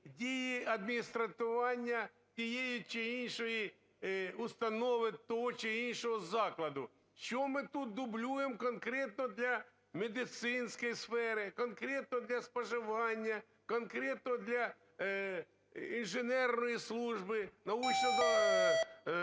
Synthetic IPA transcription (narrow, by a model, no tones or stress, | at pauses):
dʲejiɐd̪̚mʲɪnʲɪst̪ɾɐt̪ɪʋanʲːɐ | t̪ʲɪjejɪt͡ʃeinʲʂoji | ʊst̪ɐnoʋʲɪt̪ːoɦɔt͡ʃɪinʲʂɔɦɔzaklˠɐd̪ʊ | t͡ɕomɪt̪ut̪̚d̪ʊblʲujɪmkɐnkɾʲet̪nɔd̪lʲɐ | mʲɪd̪ʲɪt̪sɪnskɐjsfɛɾɪkɐnkɾʲet̪̚nɔd̪lʲɐspɐʐɪʋanʲːɐ | kɐnkɾʲet̪nɔd̪lʲɐ | inʐɪnɛrnɔjɪslˠuʐbɪnɐut͡ʃnɔʋɐ